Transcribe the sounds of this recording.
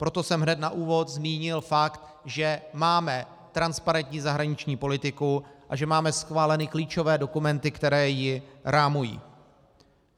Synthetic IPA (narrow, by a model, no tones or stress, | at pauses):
pɾo̞t̪o̞sɛmɦnɛt̪naʔuːvo̞t̪zmiːɲɪlfakt̪ | ʒɛmaːmɛ | t̪ɾanspaɾɛnt̪ɲiːzaɦɾaɲɪt͡ʃɲiːpo̞lɪt̪ɪkuʔaʒɛmaːmɛsxvaːlɛnɪkliːt͡ʃo̞vɛːdo̞kumɛnt̪ɪkt̪ɛɾɛːjɪɾaːmujḭː